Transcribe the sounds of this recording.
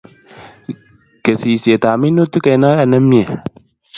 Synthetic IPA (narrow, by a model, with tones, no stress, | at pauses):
ɡ̥ɛ˨si˨se˨t̪aː˨mi˦no˦t̪ːi˦ke˨na˦ɐ˨nɐ˦mi˦e˨